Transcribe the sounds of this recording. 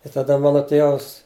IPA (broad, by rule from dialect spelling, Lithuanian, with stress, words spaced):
ɪ tɐˈdɐ ˈmɑːnoː ˈtʲeːʋɐs